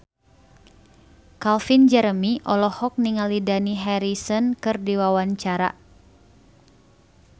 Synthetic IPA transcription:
kalfind͡ʒəɾəmiʔɔlɔhɔk̚niŋalidaniɦɛɾisɔnkɨrdiwawaɲt͡ʃaɾa̰

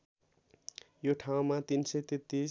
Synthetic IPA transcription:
joʈʰaw̃mat̪insʌjt̪et̪ːi

